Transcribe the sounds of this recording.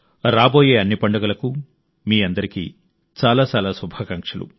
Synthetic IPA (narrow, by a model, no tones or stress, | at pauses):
ɾaːbo̞ːje̞ːɐnːipɐɳɖɐɡɐlɐku | miːɐnd̪ɐɾikḭː | t͡ʃaːlaːt͡ʃaːlaːsubʱaːkɐŋkʂɐlṵ